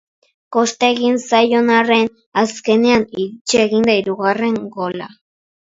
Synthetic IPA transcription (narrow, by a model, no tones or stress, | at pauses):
ko̞st̪eeɣinsajo̞nare̞n | aske̞ne̞anit͡ʃeːɣind̪aiɾuɣare̞ŋɡo̞la̰